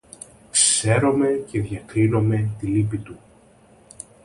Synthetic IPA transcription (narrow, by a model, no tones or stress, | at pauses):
kse̞ɾo̞me̞ce̞ðʝɐkɾino̞me̞t̪ilipit̪u